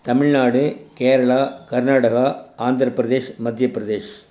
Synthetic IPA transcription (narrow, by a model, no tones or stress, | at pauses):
t̪ɐmɪɻnaːɽɯkeːɾɐɭaːkɐɾnaːɽɐɣaːaːnd̪ʱɾɐpɾɐðeːʂmɐd̪ʱjɐpːɾɐðeːʂ